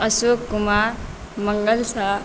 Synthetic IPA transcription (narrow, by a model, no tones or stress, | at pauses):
əsokːumaɾ | məŋɡəlsa